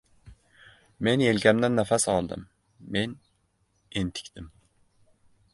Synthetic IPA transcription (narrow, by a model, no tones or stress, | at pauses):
mɛnelkʲʰæmd̪ænːæfæsɑlˠd̪ɯ̰mː | en | ent̪ʰi̥kʲt̪ʰɪm